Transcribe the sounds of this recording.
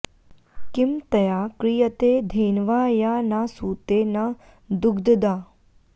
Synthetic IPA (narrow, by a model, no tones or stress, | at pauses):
kimt̪əjaːkɾijət̪ed̪ʱeːnʋaːjanasuːt̪ena | d̪ʊɡd̪d̪aː